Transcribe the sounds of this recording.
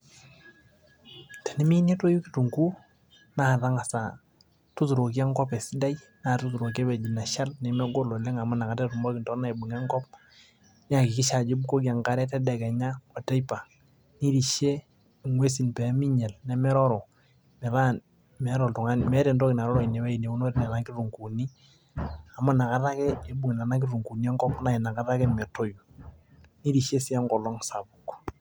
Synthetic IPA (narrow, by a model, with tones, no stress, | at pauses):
tɛ˨nɛ˦mi˦ne˦to˦ju˦ki̥˨tu˨ŋɡu˦ | na˨ða˦ŋa˨sa˨ | tu˦tu˨ɾo˨ki˦a˦ŋɡɔ˦pɛ˨si˦da˦j | na˨tu˦tu˨ɾo˨k̬ɛ˦bɛ˨d͡ʒi˨na˨ʃa˦lnɛ˨mɛ˦ɡo˦lo˨lɛ˦ŋa˨ma˦na˨ka˨tɛ˦tu˨mbɔ˦ki˨ntɔ˦na˦i˨bu˨ŋɛ˦ŋɡɔ˦p̚ | ɲ˦a˦˨ki˨kɪ˦ʃa˨d͡ʒi˦bu˦ko˦ki˨a˨ŋka˦ɾɛ˦tɛ˦dɛ˨kɛ˨ɲa˦ɔ˨tɛ˦jpa˨ | ni˦ɾi˨ʃe˦˨ | ŋwe˦s̬i˨npɛ˨˦mi˦ɲɛ˨lnɛ˨˦mɛ˦ɾɔ˦ɾɔ˨ | mɛ˨ɾa˦n | mɛ˨˦ɾɔ˨ltu˨ŋa˦n˨mɛ˦ɾɛ˨ntɔ˦ki˨na˨ɾɔ˦ɾɔ˨i˨ne˨wɛ˦i˨ne˨u˦no˦ɾna˨na˦ki˦ru˨ŋku˨ni˦ | a˨ma˦na˨ka˦ta˦kɛ˦e˨bu˨ŋ˨na˨na˦k̬i˦ɾu˨ŋku˨ni˦ɛ˦ŋkɔ˦pna˨i˨na˨ka˦ta˦kɛ˦mɛ˨to˦ju˨ | ni˦ɾi˨ʃe˦si˦a˦ŋkɔ˨lɔ˦ŋsa˨bu˨k